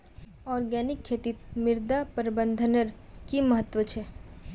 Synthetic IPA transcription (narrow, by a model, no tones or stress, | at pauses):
ɔːɾɡɛːnɪkʰːeːt̪it̪mɪɾd̪apəɾbə̃nd̪ʱənəɾkiməɦət̪ːʋət͡ʃʰɛː